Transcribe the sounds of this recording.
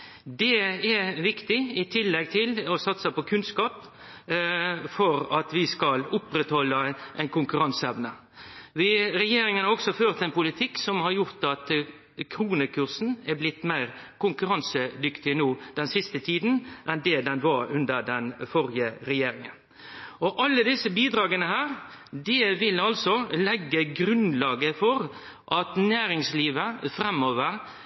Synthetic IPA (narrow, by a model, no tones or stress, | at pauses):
d̪ɛɛʋɪkt̪ɪɪt̪ʰɪlːɛɡ̚t̪ʰɪlɔsɑt̪səpɔkʰʉnskɑːp | fɔɾɑt̪ʋɪskɑlʊpɾɛt̪hɔlːəʔɛɪnkʊŋkʉɾɑnsəɛʋnə | ʋɪɾɛjeːɾɪŋənhɑɾɔɡsɔføːʁt̪ɛɪnpʊlɪt̪ʰɪksɔmhɑɾjʊʁt̪ɑt̪ | kʰɾuːnəkʰʉʁsn̩æblɪt̪ːmæɪʁ | kʊŋkʉɾɑnsəd̪ʏkt̪ɪnoːd̪̥ɛnsɪst̪ət̪ʰiːd̪n̩ʔɛnd̪ɛd̪ɛnʋɑɾʉnd̪əɾd̪ɛnfɔɾɪəɾɛjeːɾɪŋən | ɔʔɑlːəd̪ɪsːəbiːd̪ɾɑːɡənəhæːɾ | d̪ɪʋɪlɑlsɔlɛɡːəɡɾʉnlɑːɡəfɔɾ | ʔɑt̪næːɾɪŋsliːʋəfɾɛmːoːʋəɾ